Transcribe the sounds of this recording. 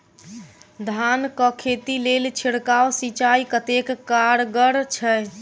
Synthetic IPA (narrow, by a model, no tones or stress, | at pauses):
d̪ʱankəkʰet̪ilelt͡ʃʰiɽkawsit͡ʃaikət̪ekːaɾɡəɽt͡ʃʰɛ